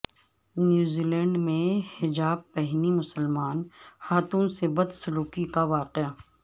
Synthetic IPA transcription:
njuːziːlɛ̃ːɳɖmẽhɪd͡ʒaːb̚pɛɦnimʊsəlmaːnxaːt̪uːnsebɐd̪sʊluːkikaʋaːqɪa

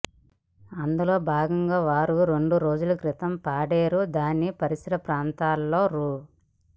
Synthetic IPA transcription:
ɐnd̪ulo̞ːbʱaːɡɐŋɡaːʋaːɾuɾe̞ɳɖuɾo̞ːd͡ʒulɐkɾit̪ɐmpaːɽeːɾud̪aːnːipɐɾisɐɾɐpɾaːnt̪aːlːo̞ːɾuː

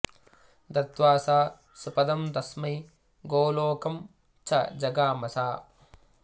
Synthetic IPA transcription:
d̪ɐt̪ʋaːsaː | supɐd̪ɐmd̪ɐsmɐj | ɡoːloːkɐm | t͡ʃʰɐd͡ʒɐɡaːmɐsaː

